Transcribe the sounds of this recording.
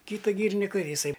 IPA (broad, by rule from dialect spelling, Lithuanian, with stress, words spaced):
ˈkʲiːtɐ ˈɡʲiːrʲɪnʲɪkɐ jɪˈsɐɪ